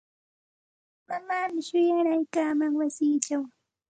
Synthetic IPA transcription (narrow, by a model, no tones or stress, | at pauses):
mamaːmɪʃʊjaɾajkaːmaŋwasɪːt͡ʃaw